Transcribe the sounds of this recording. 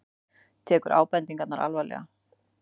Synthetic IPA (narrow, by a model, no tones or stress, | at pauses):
t̪ʰɛːkʏɾʔa̰ːwpɛnt̪iŋkat̪naɾʔa̰lvajlɛ̰ɣa